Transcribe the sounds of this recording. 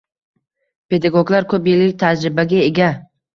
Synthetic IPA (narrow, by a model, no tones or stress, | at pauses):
pʰe̞d̪aɡoɡlaɾkʰɵpjɪlːɪk̚ʲt̪ʰad͡ʒɾɪbaɡʲae̞ɡʲa